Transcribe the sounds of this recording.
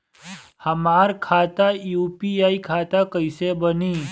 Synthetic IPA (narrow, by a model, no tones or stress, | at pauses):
həmaːɾkʰaːt̪ajuːpiaːikʰaːt̪akəisebəniː